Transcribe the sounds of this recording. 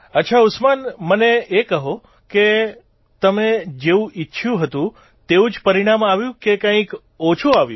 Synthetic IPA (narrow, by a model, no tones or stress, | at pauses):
ətːʃʰaʊsmanməneekəɦo | ke | t̪əmed͡ʒeũʔiːʃʰjũɦət̪ũ | t̪eũd͡ʒpəɾiɽ̃amaʋjũkekãĩk | ot͡ʃʰuaʋjṵ̃